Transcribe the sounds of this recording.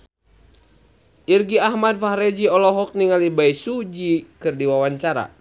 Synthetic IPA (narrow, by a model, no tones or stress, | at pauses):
ʔirɡiaɦmad̚fahɾɛd͡ʒiɔlɔɦɔk̚niŋalibaisud͡ʒikɨrdiwawaɲt͡ʃaɾa̰